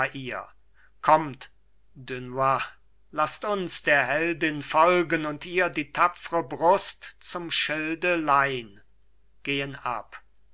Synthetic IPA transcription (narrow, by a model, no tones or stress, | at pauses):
ʔiːɐ | kʰɔmt | dʏnwa | lastʊnsd̥eːɐɦɛldɪnfɔlɡənʊntiːɐdiːtʰafəʁəbʁʊstt͡sʊmʃɪldəlaɪn | ɡ̥eːəna̰p